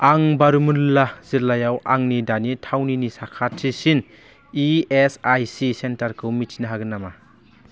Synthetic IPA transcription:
aŋbaɾumunlaz̥iɾlajawʔaŋnidanitʰawninisakʰatʰisin | iesajsisentaɾkʰɯwmitʰinaɦaɡɯnama

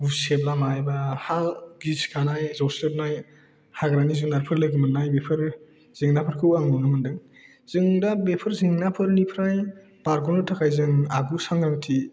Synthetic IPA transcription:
useblamajbahaɡiskʰanajzɔwsɯp̚naj | haɡɾanizɯŋnaɾpʰɯɾlɯɡɯmɯnːajbepʰɯɾ | z̥eŋnapʰɯɾkʰɯwaŋnunɯmɯndɯŋ | z̥ɯŋdabepʰɯɾzeŋnapʰɯɾnipʰɾaj | b̥aɾɡɔnɔtʰakʰajzɯŋaɡusaŋɡɾaŋtʰi

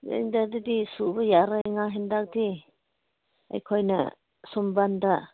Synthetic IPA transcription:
dḛŋdadidisubɐjaɾaŋaɦendak̚di | a̰jkʰojnɐ̰ | sumbanda

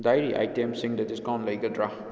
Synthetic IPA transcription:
dajɾiʔa̰jtemsiŋdɐdiskaw̃nlɐjɡɐdɾa

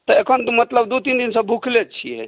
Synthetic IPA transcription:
t̪ɔekʰənmət̪ləbd̪ut̪ind̪insə̃bʱukʰlet͡ʃʰijɛ̰

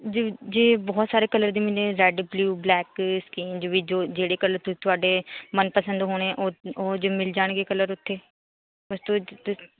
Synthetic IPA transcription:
d͡ʒd͡ʒeːbɔːt̪saːɾeːkələɾd̪iːmɪlẽːɾɛːɖbljuːblɛːkskiːnd͡ʒʋiːd͡ʒoːd͡ʒeːɽeːkələɾt̪ʊt̪ʊaːɖeːmənpəsə̃nd̪ɦoːɽ̃ɛ̃ːʔooːd͡ʒoːmɪld͡ʒaːɳ̃ɡeːkələɾʊt̪ʰːeː | əst̪oːt̪

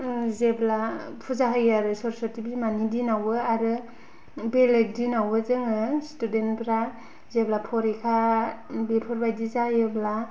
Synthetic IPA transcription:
zeblapʰuzaɦɯjaɾɯsɔɾsɔɾtibzimanidinawɯaɾɯ | beleɡ̚dinawɯzɯŋɯstudenpɾa | zeblapʰɔɾekʰabelpʰɔɾbajdizajɯbla

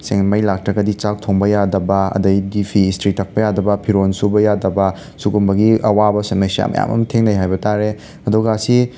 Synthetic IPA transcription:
seŋmɐjlak̚tɾɐɡɐdit͡ʃak̚tʰoŋbɐjadɐbɐɐ̰dɐjdipʰistɾitːɐk̚pɐjadɐbɐpʰiɾonsubɐjadɐbɐ | suɡumbɐɡiʔɐwabɐsɐmesija̰mɐ̰ja̰mɐ̰mtʰeŋnɐjɦajbɐtʰaɾe | ɐduɡaːsi

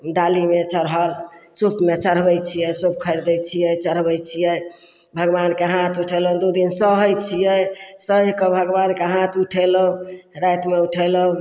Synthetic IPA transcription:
ɖalimet͡ʃəɾɦəl | supʰmet͡ʃəɾ̤bəjt͡ʃʰijɛsup̚kʰəɾd̪ɛjt͡ʃʰijɛt͡ʃəɾ̤bɛjt͡ʃʰijɛ | bʱəɡbankeɦat̪ʰuʈʰelũd̪ud̪insəɦəjt͡ʃʰijɛjsəekɔbʱəɡbankeɦat̪ʰuʈʰeləɦũɾajt̪meuʈʰɛləũ

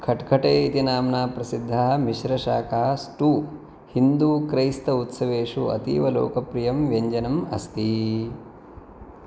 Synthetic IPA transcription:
kʰɐʈkʰɐʈeːit̪inaːmnaːpɾɐsid̪ʱːaɦɐmiʃɾɐʃaːkɐɦɐ̆sʈuː | hind̪uːkɾɐjst̪ɐut̪sɐʋeːʂuɐ̰t̪ḭːʋɐlo̰ːkɐpɾijɐmʋjɐɲd͡ʒɐnɐmɐ̰st̪i

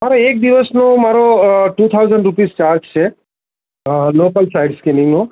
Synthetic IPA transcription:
maɾaek̚d̪iʋəsnomaɾoʈut̪ʰawzəɳɖɾupist͡ʃaɾd͡ʒt͡ʃʰe | lopəlsaiɖskiniŋno

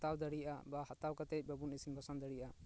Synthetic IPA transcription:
t̪awd̪əɽijʔa̰bahat̪awkat̪ɛc̚ˀbəbunisinbʱɔsand̪əɽijʔa

